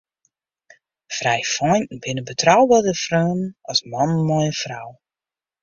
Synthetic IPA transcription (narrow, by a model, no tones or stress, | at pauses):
frɛjfɔjn̩bɪnəbətrawbaːdəfrœːnɑsmɑnmɔjəfraw